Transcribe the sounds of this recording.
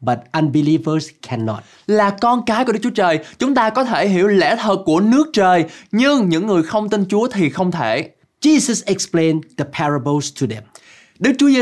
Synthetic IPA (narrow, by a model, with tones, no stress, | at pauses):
ba˨t̚ʔə˧nbili˦vəzkʰɛnːɔ̰t̚ | laː˨˩kɔ˧nkaː˨˦jku˧˩˦k̚t͡ɕu˦t͡ɕəː˨˩jt͡ɕʊ˨˦ŋ͡mt̪aː˧kɔ˨˦t̪ʰe˧˩ɦi˧˩əwlɛ̰˧˥t̪ʰəː˨˩t̚kːu˧˩ənɨ˦˥ək̚t͡ɕəː˨˩jɲɨ˧ŋɲɨ̰˧˥ŋːɨ˨˩əjxə˧wŋ͡mt̪i˧nt͡ɕu˨˦ət̪ʰi˨˩xə˧wŋ͡mt̪ʰe˧˩ | d͡ʒi˧səsɛ˨ksplẽnd̪ə˨pʰɛɹəbəlstʰu˨dɛ̰̃m | ɗɨ˦˥k̚t͡ɕu˨˦ə˧